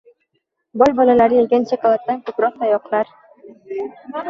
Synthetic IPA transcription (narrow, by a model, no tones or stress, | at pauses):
bɒlbɒlalaɾieɡʲant͡ʃʰekalat̪ːankʰɵpɾɒq̚t̪ʰajɒqlaɾ